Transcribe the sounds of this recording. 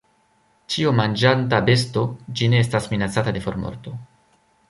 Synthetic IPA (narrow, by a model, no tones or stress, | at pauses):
t͡ʃiomand͡ʒantabe̞s̬to̞d͡ʒine̞estasminat͡satade̞fo̞ɾmo̰ɾto̞